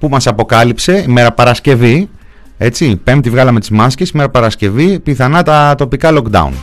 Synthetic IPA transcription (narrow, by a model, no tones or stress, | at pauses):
pumɐsɐpo̞kɐlipse̞ime̞ɾɐpɐɾɐsce̞vi | e̞t͡sipe̞mt̪ivɣɐlɐme̞t̪izmɐsce̞sime̞ɾɐpɐɾɐsce̞vipiθɐnɐt̪ɐt̪o̞pikɐlo̞kd̪ɐ̰ṵn